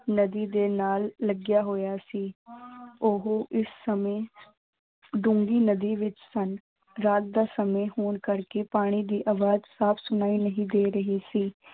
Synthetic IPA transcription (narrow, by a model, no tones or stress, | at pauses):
nəd̪iːd̪eːnaːlːəɡjaːɦoːjaːsiː | ʊɦʔɪsːəmeː | ɖʊ̃ŋɡiːnəd̪iːʋɪt͡ʃsən | ɾaːt̪̚d̪aːsəmeːhoːnkəɾkeːpaːɽ̃iːd̪iːʔaːʋaːd͡ʒsaːpʰsʊnaːiːnəɦĩːd̪eːɾəɦiːsiː